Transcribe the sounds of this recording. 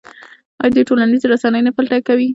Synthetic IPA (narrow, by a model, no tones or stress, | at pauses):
ɑ̰jɑd̪əʈolanizeɾasanəjnapalʈakawi